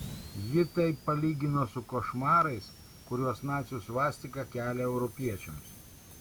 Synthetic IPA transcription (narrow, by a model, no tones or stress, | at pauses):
jɪt̪ɐɪpːɐlʲiːɡʲɪnoːsʊkoːʃmɑːɾɐɪs | kʊɾʲuɔsnɑːt̪sʲjusʋɑːsʲt̪ʲɪkɐkʲæːlʲɛɛʊɾɔpʲiɛt͡ʃʲɛms